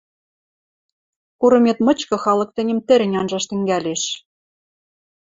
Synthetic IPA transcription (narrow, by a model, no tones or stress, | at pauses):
kuɾɤ̆met̪mɤ̆t͡ɕkɤ̆xɑlɤ̆k̚t̪ɘ̆nʲɘ̆mt̪ɘ̆ɾɘ̆nʲɑnʒɑʃt̪ɘ̆ŋɡælʲeʃ